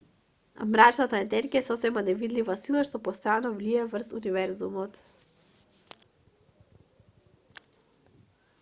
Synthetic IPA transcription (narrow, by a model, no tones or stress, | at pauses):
a̰mɾat͡ʃnat̪aɛnɛɾɡiaɛsɔsɛmanɛvid̪livasilˠaʃt̪ɔpɔst̪janɔvliɛvər̩sunivɛɾzumɔt̪